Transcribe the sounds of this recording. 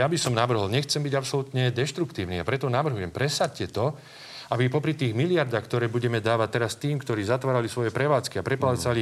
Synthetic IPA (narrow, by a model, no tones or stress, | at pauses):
jabisɔmnaʋr̩ɦɔlɲɛxt͡sɛmbiɟapsɔlut̪ɲɛd̪ɛʃt̪ɾukt̪iːʊniːapɾɛt̪ɔnaʋr̩ɦujɛmpɾɛsat̪cɛt̪ɔ | abipɔpɾit̪iːɣmilɪaɾd̪aːxkt̪ɔɾɛːbuɟɛmɛd̪aːʋat̪ɛɾast̪iːmkt̪ɔɾiːzat̪ʋaːɾalisʋɔjɛpɾɛʋaːt͡skiapɾɛplaːt͡sali